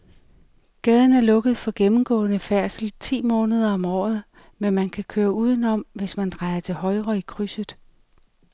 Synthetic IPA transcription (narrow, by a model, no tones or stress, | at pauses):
ɡ̥ɛːð̞ˠn̩æɐlɔ̽ɡ̥əð̩ˠfɒ̽ɡ̥emm̩ɡ̥ɔ̰̽ːnəfæɐsl̩t͡sʰḭːmɔ̽ːnəð̞ˠɐɒ̽mɒ̰ːð̞̩ˠ | menmænkʰækʰøːɐuːð̞ˠn̩ɒ̽m̰ʋe̝smænd̥ʁɑ̈ɪɐt͡sʰe̝lhɒ̽ɪʁɐikʰʁysəð̩ˠ